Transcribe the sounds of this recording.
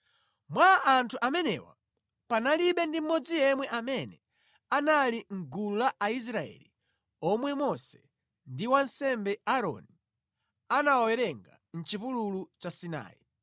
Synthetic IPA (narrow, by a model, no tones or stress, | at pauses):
mwaʔantʰuʔamɛnɛ̰wa̰ | panaliɓɛndim̩mɔd͡zijɛmwɛʔamɛnɛ | analiŋ̩ɡululaʔais̬ɾaɛ̰li | ɔmwɛmɔsɛ̥ | ndiwansɛmbɛaɾɔ̰ni | anawɔwɛɾɛŋɡa̰ | n̩t͡ʃipululut͡ʃasina̰ːji